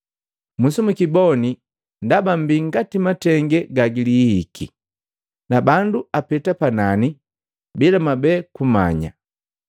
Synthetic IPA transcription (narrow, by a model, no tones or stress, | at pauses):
musumukibɔni | ndabam̩biŋɡatimatɛŋɡɛɡaɡilihikʰḭ | nabanduapɛtapanani | bilamabɛkuma̰ɲa̰